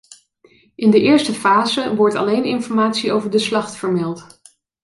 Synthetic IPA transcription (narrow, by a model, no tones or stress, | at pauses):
ʔɪndəʔɪːɹstəfaːzəʋɔɹtɑ̰lejnɪnfɔɹmaːtsiowvəɹdəslɑχtfəɹmɛlˠt